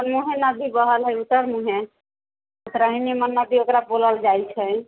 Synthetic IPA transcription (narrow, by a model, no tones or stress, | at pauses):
ənmuɦenəbʱibəɦəlɦəjut̪əɾmuɦẽ | ət̪ɾəɦinimənːəbʱiokɾaboləld͡ʒajt͡ʃʰɛ